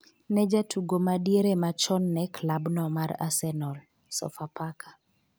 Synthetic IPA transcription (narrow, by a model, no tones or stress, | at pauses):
nɛd͡ʒatʰuɡomadieɾemat͡ʃɔnːɛklabnɔmaɾa̰sɛnɔl | sɔ̰fapakḁ